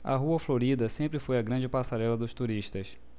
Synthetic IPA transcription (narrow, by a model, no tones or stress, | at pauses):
ɐ̰ɦuɐfloɾid̪ɐsẽmpɾɪfojɐɡɾɐ̃d͡ʒɪpasaɾɛlɐd̪ʊʃt̪uɾiʃt̪ɐs